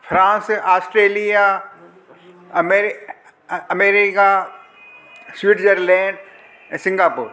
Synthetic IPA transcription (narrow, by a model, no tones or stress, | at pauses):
fɾãːnsaːsʈɾeːlija | ɐmeɾ | ɐmeːɾika | swiːʈd͡ʑəɾlɛ̃ːɳɖ | ɛ̃ːsɪ̃ŋɡaːpuːɾ